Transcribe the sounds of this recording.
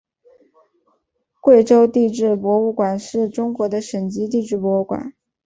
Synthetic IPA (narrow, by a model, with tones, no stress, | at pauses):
kwe˥˩ɪʈ͡ʂo˥ʊt̪i˥˧ʈ͡ʂɻ̩˥˩pwɔ˧˥u˥˩kwa˨˩nʂɻ̩˥˩ʈ͡ʂʊ˥ŋkwɔ˧˥d̪ə˧ʂə˨˩nt͡ɕi˥t̪̬i˥˧ʈ͡ʂɻ̩˥˩pwɔ˧˥u˥˩kwa̰˨˩˦n